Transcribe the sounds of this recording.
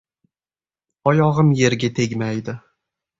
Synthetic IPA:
ɒjɒʁɨmje̞ɾɡʲat̪ʰeɡʲmajd̪ɪ

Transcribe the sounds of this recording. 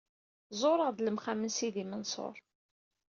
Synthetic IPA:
zˤoɾˤəʁðləmχæmənsiðimənsˤo̰ɾˤ

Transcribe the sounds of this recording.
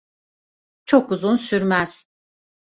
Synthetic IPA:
t͡ʃʰokuzunsyɾmæz̥

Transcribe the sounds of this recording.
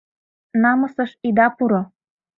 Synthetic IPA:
nɑmɤ̆sɤ̆ʃid̪ɑpuɾo

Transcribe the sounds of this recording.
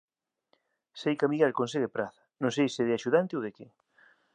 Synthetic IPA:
sejkamiɣɛlkons̬eɣɪpɾaθɐ̥nõŋs̬ejsɪðɪaʃuðant̪ɪowðekɪ

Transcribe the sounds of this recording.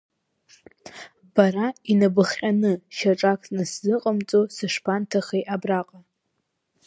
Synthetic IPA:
b̥aɾainabɨχqʲʼanɨʃaʈ͡ʂʼakʰʼnɨszɨqʼəmt͡sʼosɨʂpʰantʰaχejʔabraqʼa

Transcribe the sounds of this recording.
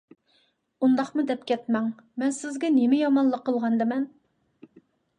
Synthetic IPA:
und̪ɑχmud̪ɛp̚kʲɛt̪̚mɛŋmɛnsɪzɡʲɛnɪmɪjɑmɑnlˠəqʰːəlˠʁɑnd̪ɨmɛn

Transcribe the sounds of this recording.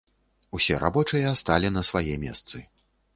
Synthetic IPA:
usʲɛɾa̰bɔt͡ʂɨjɐast̪alʲinɐsvajɛmʲɛ̰st̪sɨ

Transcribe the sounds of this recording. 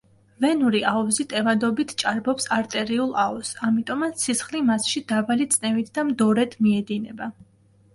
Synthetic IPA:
vɛnuɾiaɔzit̪ʼɛvad̪ɔbit̪ʰt͡ʃʼaɾbɔpsaɾt̪ʼɛɾiulˠaɔsamit̪ʼɔmat̪sisχlimasʃid̪abalit̪sʼnɛvit̪ʰd̪amd̪ɔɾɛd̪ʰmiɛd̪inɛba

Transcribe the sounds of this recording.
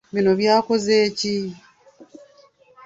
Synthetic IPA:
βino̞βjaːko̞zeːci

